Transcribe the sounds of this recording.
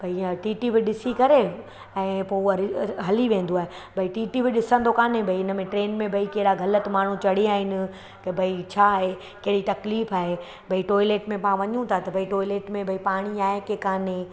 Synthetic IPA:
bʱɐiʈiːʈibɪɗɪsikɐɾe | ɛ̃ːpoɪɦɐliʋẽːn̆d̪oaːɦebʱɐiʈiːʈibɪɗɪsə̃nd̪okaːnẽbʱɐiɪnə̆mẽʈɾeːnmẽbʱɐikɐɦɪɽaɡʱɐlət̪maːɳ̤ũt͡ɕɐɽiaːɦɪnɪ̆ | kɐbʱɐit͡ɕʰaːɦe | kɐɦɪɽit̪ɐkliːfaːɦe | bʱɐiʈɔːileːʈmẽpaãʋɐɲũt̪ʰat̪ɐbʱɐiʈɔːɪleːʈmẽbʱɐipaːɽ̃iaːɦekekaːnẽ

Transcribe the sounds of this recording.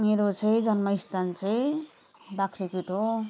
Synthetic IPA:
meɾot͡sʰejd͡zʌnmʌist̪ant͡sʰej | bakʰɾipiʈo

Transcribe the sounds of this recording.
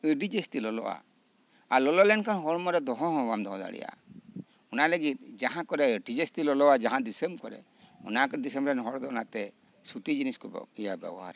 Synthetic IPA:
əɖid͡ʒestilɔlɔ̰ʔa̰ | alɔlɔlɛnkʰanɦɔɾmɔɾɛd̪ɔɦɔ̃ɦɔ̃ɡamd̪ɔɦɔ̃d̪a̰ɽḭja̰ | ɔnaləɡit̪̚d͡ʒaɦãkɔɾɛəɖid͡ʒestilɔlɔwad͡ʒaɦãd̪isembkɔɾɛ̰ | ɔ̰nakɔd̪isembɾɛnɦɔɽd̪ɔɔnat̪ɛ | sut̪id͡ʒiniskɔbɔ̰ijabɛ̰bɔɦa̰ɾ

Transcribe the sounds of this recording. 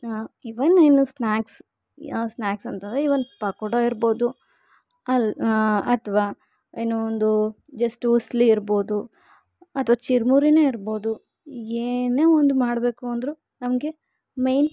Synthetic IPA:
iʋɐnːenusnaːks | snaːksɐnt̪ɐnd̪ɾeiʋɐnd̪pɐkɔɽoiɾbo̞ːd̪u | ɐ | ɐt̪ʰɐʋaː | enuond̪u | d͡ʒɐsʈusliiɾbo̞ːd̪u | ɐt̪ʰɐʋaːt͡ʃiɾmuɾine̞ːiɾbo̞ːd̪u | eːneːond̪umaːɽbe̞ːkuɐnd̪ɾu | nɐmɐɡe̞ | mejn

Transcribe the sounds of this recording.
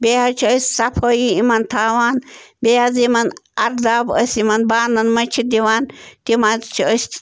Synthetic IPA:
bʲeat͡ʃʰiəsʲsapʰoːjiimɐnt̪ʰaːwaːnbeazimɐnɐɾd̪aːbəsimɐnbaːnɐnmɐt͡ʃʰid̪iʋaːnt̪imazt͡ʃʰiəsʲ

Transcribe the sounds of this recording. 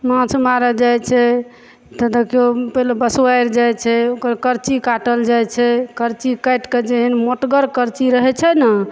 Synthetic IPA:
mãt͡ʃʰmaɾəd͡ʒajt͡ʃʰɛ | t̪əd̪əkiopəɦlebəswajɾd͡ʒajt͡ʃʰɛokəɾkəɾt͡ʃikaʈəld͡ʒajt͡ʃʰɛkəɾt͡ʃikajʈked͡ʒeɦinmoʈɡəɾkəɾt͡ʃiɾəɦɛt͡ʃʰɛnə

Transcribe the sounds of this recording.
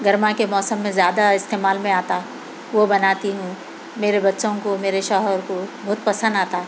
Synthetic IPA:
ɡɐɾmakemɔːsəmːẽzjaːd̪aɪst̪eːmaːlmẽaːt̪a | ʋobɐnaːt̪iɦũ | meːɾebɐtːʃõkomeːɾeʃɔːɦəɾkobʊɦʊt̪̚pɐsə̃nd̪aːt̪aː

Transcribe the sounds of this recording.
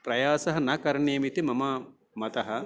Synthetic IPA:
pɾɐjaːsɐɦɐ̆nɐkɐɾɐɳeːmit̪imɐmɐ | mɐt̪ɐɦɐ̆

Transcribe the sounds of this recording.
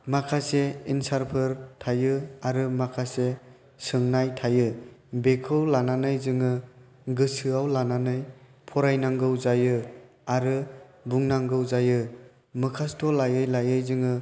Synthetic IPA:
makʰaseinsaɾpʰɯɾtʰajɯaɾɯmakʰase | sɯŋnajtʰajɯbekʰɯwlananɯjzɯŋɯ | ɡɯsɯawlananɯj | pʰɔɾajnaŋɡɯwzajɯ | aɾɯbuŋnaŋɡɯwzajɯ | mɯkʰastʰɔlajɯjlajɯjzɯŋɯ

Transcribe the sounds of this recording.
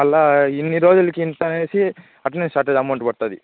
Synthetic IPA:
ɐlːainːiɾoːd͡ʒ̪ɐlikːeint̪ɐnesi | ɐʈɐnensʈaːɾʈɐd͡ʒɐmɐwɳʈbɐɽt̪aːd̪ḭ

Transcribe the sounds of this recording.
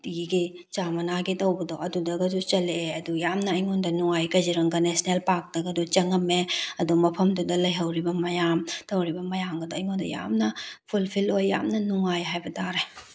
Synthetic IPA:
tiɡi | t͡ʃamɐnaɡitɐwbɐdɔʔɐdudɐɡɐdut͡ʃɐleɐdujamnɐːjŋondɐnuŋajkɐjd͡ʒiɾɐŋɡɐnesnelpak̚dɐɡɐdut͡ʃɐŋɐmeɐdumɐpʰɐmdudɐlɐjɦɐwɾibɐmɐjamtɐwɾibɐmɐjamɡɐdɔɐjŋondɐ̰ja̰mnɐpʰulpʰilojːa̰mnɐnuŋajɦajbɐdaɾe

